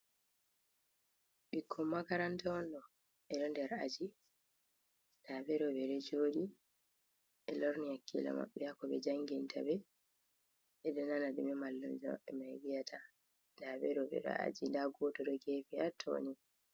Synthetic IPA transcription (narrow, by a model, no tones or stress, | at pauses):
ɓikʰːɔmːakaɾantaɔnɗɔ | ɛɗɔndɛɾad͡ʒi | ndabɛɾɔbɛɗɛd͡ʒoːɗi | ɛlɔɾnijakːila̰ma̰ɓːɛjakɔɓɛd͡ʒaŋɡintʰa̰bɛ | ɛɗɔnanaɗumɛmalːumd͡ʒɔɛmajɡijatʰa | ndabɛɾɔbɛ̰ɗɔ̰a̰d͡ʒindaɡɔtɔɗɔɡefiatʰːo̰ni